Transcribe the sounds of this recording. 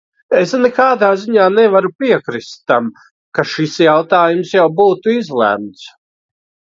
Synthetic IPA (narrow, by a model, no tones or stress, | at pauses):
esnɛkaːd̪aːziɲaːnɛvaɾupiɛkɾist̪ːam | kaʃisjawt̪aːjumsjawbuːt̪uizlˠæ̰ːmt̪s